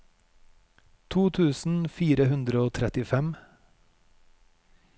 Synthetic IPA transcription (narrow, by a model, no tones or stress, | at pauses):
t̪ʰuːt̪ʰʉːsn̩fiːɾəhʉnd̪ɾəoːt̪ʰɾɛt̪ɪfɛm